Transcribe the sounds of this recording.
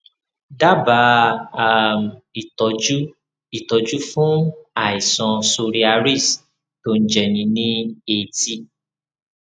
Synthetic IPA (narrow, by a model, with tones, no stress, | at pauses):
da˦ba˨˦a˨mi˨tɔ˨d͡ʒu˦ | i˦˨tɔ˨d͡ʒu˦fũ˦a˨i˨sɔ̃˧so˧ɾi˦a˧ɾi˦˨s | to˧˦n̩˦d͡ʒɛ˨nĩ˨˧nĩ˦e˨ti˧